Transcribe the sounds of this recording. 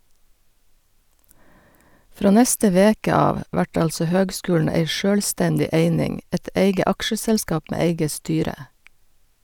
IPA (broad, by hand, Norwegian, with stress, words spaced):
ˈfɾoː ˈnɛstə ˈʋeːkə ˈɑːʋ ˈʋæʈ ˈɑlsɔ ˈhøːɡˌskʉːln̩ ˈæɪ ˈʃøːlˌstɛndɪ ˈeɪnɪŋ ˈɛt ˈeɪɡə ˈɑkʃəsɛlˌskɑːp ˈmeː ˈeɪɡə ˈstyːɾə